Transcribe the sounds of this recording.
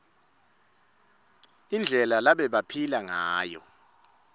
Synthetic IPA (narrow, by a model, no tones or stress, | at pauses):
ind͡ɮʱɛlalaɓɛɓapʰilaŋaːjɔ̰